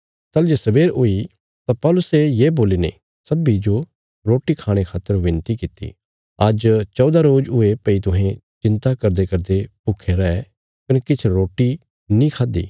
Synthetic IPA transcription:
t̪ɐld͡ʒesɐbeːɾʊi | t̪apɔːlʊsejeːboːliːnḛ | sɐbid͡ʒo | ɾoːʈikʰaːɽ̃ekʰaːt̪əɾʋɪ̃nt̪ikɪt̪ːḭ | ɐd͡ʒt͡ʃɔːd̪aɾoːd͡ʒʊepɐit̪ʊɦẽt͡ʃɪ̃nt̪akɐɾd̪ekɐɾd̪epʊkʰeɾaɛ | kɐnkɪt͡ʃʰɾoːʈːi | nĩkʰaːd̪ḭː

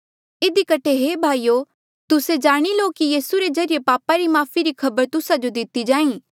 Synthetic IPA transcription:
ɪd̪ikɐʈʰeɦeːbʱaːiːoː | t̪ʊsed͡ʒaːɽ̃iloːkijiːsuɾezɐɾɪjepaːpaɾimaːpʰiɾikʰɐbəɾt̪ʊsad͡ʒod̪ɪt̪id͡ʒãːĩː

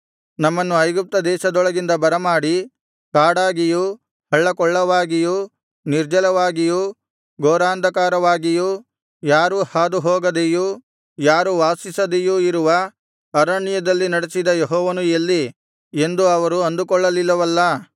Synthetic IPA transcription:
nɐmːɐnːuɐjɡup̚t̪ɐd̪ɛːʃɐd̪ɔɭɐɡind̪ɐbɐɾɐmaːɽi | kaːɽaːɡiju | hɐɭːɐkɔɭːɐʋaːɡiju | niɾd͡ʒɐlɐʋaːɡiju | ɡoːɾaːnd̪ɐkaːɾɐʋaːɡiju | jaːɾuhaːd̪uɦɔːɡɐd̪eju | jaːɾuʋaːsisɐd̪ejuiɾuʋɐ | ɐɾɐɳijɐd̪ɐlːinɐɽesid̪ɐjeɦɔːʋɐnujɐlːi | e̞nd̪uɐʋɐɾuɐnd̪ukɔɭːɐlilːɐʋɐlːɐ

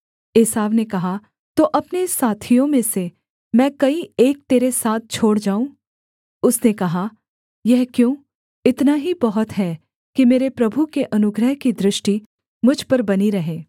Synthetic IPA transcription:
eːsaːʋnekɐɦa | t̪oʔɐpnesaːt̪ʰijõmẽse | mɛ̃ːkɐieːk̚t̪eːɾesaːt̪̚ʰt͡ʃʰoːɽd͡ʒaːũː | ʊsnekɐɦa | jɛɦkjõː | ɪt̪naɦibɐɦʊt̪ɦɛ | kimeːɾepɾɐbʱukeʔɐnʊɡɾəɦkid̪ɾɪʃʈi | mʊd͡ʒʱpɐɾbɐniɾɐɦẽː

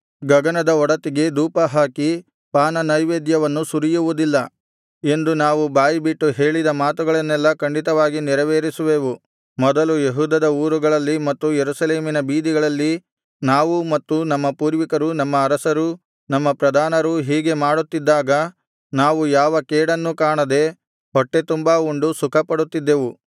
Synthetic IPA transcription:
ɡɐɡɐnɐd̪ɐɔɽɐt̪iɡe̞d̪uːpɐɦaːki | paːnɐnɐjʋeːd̪jɐʋɐnːusuɾijuʋud̪ilːɐ | e̞nd̪unaːʋubaːjibiʈːuɦe̞ːɭid̪ɐmaːt̪uɡɐɭɐnːɛlːɐkɐɳɖit̪ɐʋaːɡiniɾɐʋeːɾisuʋeːʋu | mɔd̪ɐlujeɦuːd̪ɐd̪ɐuːɾuɡɐɭɐlːimɐt̪ːujeɾusɐle̞ːminɐbiːd̪iɡɐɭɐlːi | naːʋumɐt̪ːunɐmːɐpuːɾʋikɐɾunɐmːɐːɾɐsɐɾu | nɐmːɐpɾɐd̪ʱaːnɐɾuɦiːɡe̞maːɽut̪ːid̪ːaːɡɐ | naːʋujaːʋɐkɛːɽɐnːukaːɳɐd̪e̞ | ɦɔʈːe̞t̪umbauɳɖusukʰɐpɐɽut̪ːid̪ːe̞ːʋu

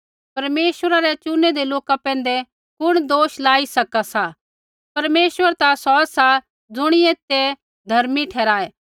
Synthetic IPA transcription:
pɐɾmeːsʋəɾaɾɛt͡ʃʊnːɛd̪eloːkapɛ̃ːn̆d̪ɛ | kʊɽ̃d̪oːʃlaːisɐkasa | pɐɾmeːsʋəɾt̪asɔːsa | d͡zʊɽ̃ɪeːt̪e | d̪ʱɐɾmiʈʰɛːɾaːɛː

